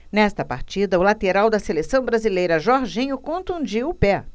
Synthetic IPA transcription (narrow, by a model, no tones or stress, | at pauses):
nɛst̪ɐpaɾt͡ʃid̪ɐʊlat̪eɾawd̪ɐselesɐ̃w̃bɾazilejɾɐʒɔɾʒĩɲʊkõnt̪ũd͡ʒiwʊpɛ